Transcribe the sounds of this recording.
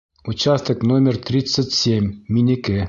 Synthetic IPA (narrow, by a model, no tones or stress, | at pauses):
ut͡ɕast̪əknomʲɪrt̪ɾʲit̪sːətʲsʲemʲːinʲɘkʲe